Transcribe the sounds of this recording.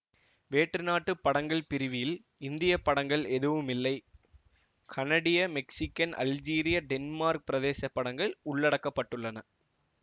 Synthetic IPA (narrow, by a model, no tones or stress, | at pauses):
ʋeːʈrɯnaːʈːɯpːɐɽɐŋɡɐɭpɪɾɪʋɪjɪl | ɪnd̪ɪjɐpːɐɽɐŋɡɐɭɛðɯʋɯmɪlːɐɪ | kʰɐnɐɽɪjɐmɛksɪkːɐnʔɐ̰ld͡ʒiːɾɪjɐɖɛnmaːɾk̚pɪɾɐðeːsɐpːɐɽɐŋɡɐɭʊɭːɐɽɐkːɐpːɐʈːɯɭːɐnɐ